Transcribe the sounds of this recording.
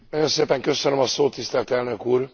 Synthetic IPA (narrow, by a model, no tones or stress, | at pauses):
nɒjo̞nseːpɛŋkø̞sønømɒsoːt̪ːist̪ɛlt̪ɛlnøkuːr